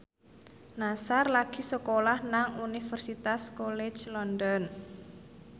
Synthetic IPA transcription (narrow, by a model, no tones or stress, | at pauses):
nasarlaɡ̥i̤səkolahnaŋunifərsit̪askolɛ̥t͡ʃlɔndɔn